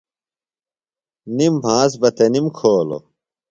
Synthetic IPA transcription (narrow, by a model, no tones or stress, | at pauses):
nimbʱãːs̬bɐt̪enimkʰoːlo̰